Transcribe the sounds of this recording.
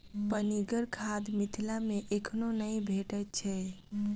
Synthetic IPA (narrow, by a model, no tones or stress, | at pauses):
pəniɡəɾkʰad̪mit̪ʰilameʔekʰnonəjbʱeʈətt͡ʃʰɛ